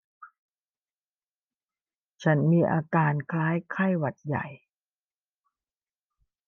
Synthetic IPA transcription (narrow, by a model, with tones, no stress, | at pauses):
t͡ɕʰa˦˥nmiː˧ʔa̰ː˧kaː˧nkʰlaː˦˥jkʰa˥˩jwa˨˩t̪̚ja̰˨˩j